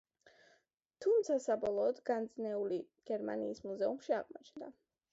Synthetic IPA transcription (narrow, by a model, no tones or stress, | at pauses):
t̪ʰumt̪sʰasabɔlˠɔːd̪ɡand̪znɛuli | ɡ̥ɛɾma̰niːsmuzɛumʃia̰ʁmɔt͡ʃʰnd̪a